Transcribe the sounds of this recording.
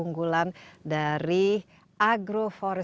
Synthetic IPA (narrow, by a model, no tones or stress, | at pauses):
uŋɡulandaɾi | ʔaɡɾofɔɾɛ